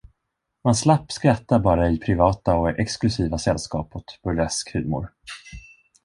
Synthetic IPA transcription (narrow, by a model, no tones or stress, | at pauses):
manslapːskɾat̪ːaɾbɑːɾaɪpʰɾɪvɑːt̪aɔɛksklɵsiːvasɛlːskɑ̰ːphɔt̪b̥ɵlɛskhʉ̰ːmʊ̰ɾ